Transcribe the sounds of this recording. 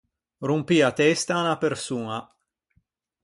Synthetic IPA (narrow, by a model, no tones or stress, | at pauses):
rumpiːat̪ɛst̪anapersuːna